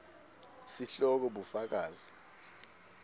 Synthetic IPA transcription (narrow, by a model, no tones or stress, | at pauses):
siɬɔk̬ɔɓufak̬aːzi